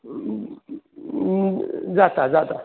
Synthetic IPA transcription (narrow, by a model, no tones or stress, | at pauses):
d͡zatad͡zata